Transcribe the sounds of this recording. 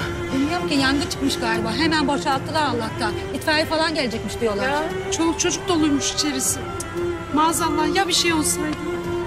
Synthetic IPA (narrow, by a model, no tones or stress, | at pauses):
bilʲmijoɾmcijand̪ɛt͡ʃʰɯ̥kmɯʃɡaːɾʲibaɦe̞mænboʃalˠt̪ʰːɯlˠaːlˠːak̚t̪ʰan | it̪ɾaɾifalˠanɟelʲed͡ʒɛcmiʃd̪ijo̞lˠaɾ | t͡ʃʰok̚t͡ʃʰo̞d͡ʒuk̚d̪o̞lˠuɾmuʃi̥t͡ʃʰe̞ɾisɪ | maːzanlˠaɾjabiʃejo̞lˠsajd̪